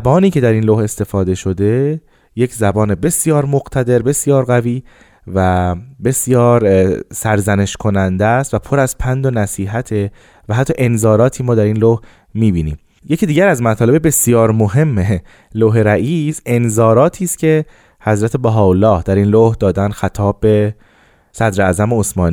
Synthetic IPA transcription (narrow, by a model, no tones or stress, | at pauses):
bɒːniːcʰe̞d̪æɾiːnloːhe̞st̪e̞fɒːd̪e̞ʃo̞d̪e̞ | je̞cʰzæbɒːne̞be̞sjɒːɾmoɣt̪ʰæd̪e̞ɾbe̞sjɒːɾɣæviː | væbe̞sjɒːɾsæɾzæne̞ʃkʰo̞nænd̪æst̪væpʰoɾæzpʰænd̪onæsiːɦæt̪ʰe̞ | væɦæt̪ʰːɒːʔe̞nzɒːɾɒːt̪ʰiːmɒːd̪æɾiːnloh | miːbiːniːm | je̞cʰiːd̪iːɟæɾæzmæt̪ʰɒːlebebe̞sijɒːɾmoɦe̞mːe | loːɦeɾæʔiːse̞nzɒːɾɒːt̪ʰiːst̪cʰe̞ | hæzɾæt̪ʰe̞bæɦɒːolːɒːhd̪æɾiːnlohd̪ɒːd̪ænxæt̪ʰɒːbːe̞ | sæd̪ɾeæːzæmeosmɒːniː